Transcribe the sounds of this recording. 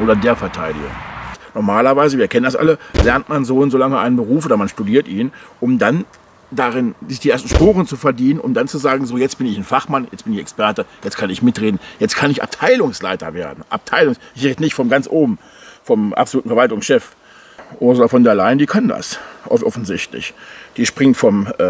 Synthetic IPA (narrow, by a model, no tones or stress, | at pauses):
ʔoːdɐdeːɐfɛɐtʰaɪdɪ̰ɡʊ̰ŋnɔɐmaːlɐvaɪzəviːɐkʰɛnəndasʔa̰ləlɛɐntmanzoːnzoːlaŋəʔaɪnənbəʁuːf̬oːdɐmanʃtudiːɐtʔiːnʔʊmdan | daʁɪnzɪçd̥iːʔeːɐstn̩ʃpoːʁənt͡sufɛɐdiːnənʊ̰md̥ant͡suzaːɡŋ̩zoːjɛt͡stb̥ɪnɪçnfaχmanjɛt͡sb̥ɪnɪçɛkspɛɐtəjɛt͡skʰanɪçmɪtʁeːdn̩jɛt͡stkʰanɪça̰p̚tʰaɪlʊŋsla̰ɪtɐ̰veːɐdn̩ʔa̰p̚tʰaɪlʊŋsʔɪçʁ̥eːdənɪçtfɔmɡant͡sʔoːbm̩ | fɔmʔa̰pz̥oluːtn̩fɛɐvaltʊŋsʃɛf | ʔoːzɐfɔndɛɐlaɪndiːkʰanda̰sʔɔʔɔfn̩zɪçtlɪ̰çd̥iːʃpʁ̥ɪŋtfɔm